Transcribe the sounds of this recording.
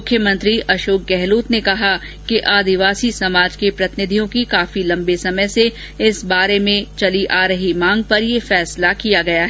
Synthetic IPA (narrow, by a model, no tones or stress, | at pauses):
mʊkʰːjəmɐ̃nt̪ɾiʔɐʃoːk̚ɡɛɦluːt̪nekɐɦa | keʔaːd̪ɪʋaːsisɐmaːd͡ʒkepɾɐt̪ɪnɪd̪ʱijõkikaːfilɐ̃mbesɐməjse | ɪsbaːɾemẽt͡ʃɐliʔaːɾɐɦimãːŋɡ̚pɐɾjefɛːslakijaɡɐjaɦɛɛː